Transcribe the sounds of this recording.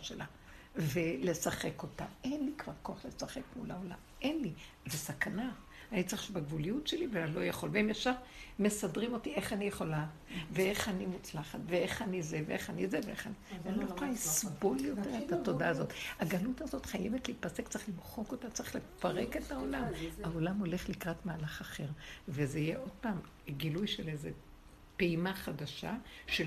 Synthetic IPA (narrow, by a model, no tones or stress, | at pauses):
ʃelʔa | vele̞saχe̞ko̞ta̰enlikv̥aʁko̞aχlesaχe̞kmulao̞la̰m | enli | zesakana | anit͡sʁiʃbaɡvulijutʃelivelalo̞jaχo̞lveimjaʃav | mesadʁimotiʔe̞χanijeχo̞la | vee̞χanimut͡slaχatveeχanizeveeχanizeveeχanianilojχlalisbo̞ljo̞teʁetato̞daːzo̞taɡalutazo̞tχajevetliːtpasektt͡seχlimχo̞ko̞tat͡saeχlefaʁe̞ke̞tao̞lamao̞lamo̞le̞χlikʁatmaːlaχaχe̞ʁvezeijeʔo̞d̥̚paːm | ɡilujʃelejze | peimaχadaʃa̰ʃe